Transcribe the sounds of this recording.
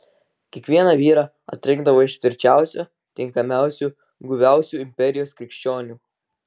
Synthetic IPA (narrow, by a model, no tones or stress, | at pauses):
kʲiɛkʋʲiɛnɑʋʲiːɾɑ | ɐ̰t̪ʲɾʲɪ̃ŋɡd̪ɐʋoːɪʃt̪ʲʋʲɪɾʲt͡ʃʲæˑʊsʲu | t̪ʲɪŋkɐmʲæˑʊsʲuː | ɡʊʋʲæˑʊsʲuːɪmʲpʲɛɾʲɪjoːskʲɾʲɪkʃʲt͡ʃʲoːnʲuː